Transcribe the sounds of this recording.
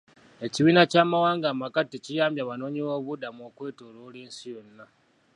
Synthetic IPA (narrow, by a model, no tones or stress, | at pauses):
e̞ciβiːnacaːmawaːŋɡaːmakaticijaːmbjaβano̞ːɲiwo̞ːβudamuoːkwe̞ːtoːloːliːnsijo̞nːa